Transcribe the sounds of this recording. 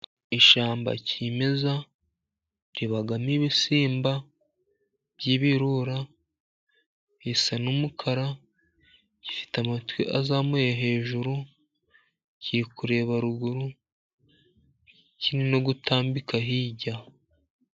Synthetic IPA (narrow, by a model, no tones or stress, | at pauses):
iʃaːmba̰cime̞za | ɾiβaɡamiβisiːmba | b̥jiːβiɾuɾa | hisanumukʰaɾa | ɟi̥fi̥tamatwiʔazamujaɦe̞ːʒuɾu | ciɾikuɾe̞ːβaɾuɡuɾu | cʰinino̞ɡutʰaːmbikaɦiːɟa